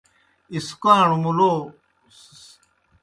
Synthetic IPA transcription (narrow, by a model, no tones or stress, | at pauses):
iskwaːɳumuloː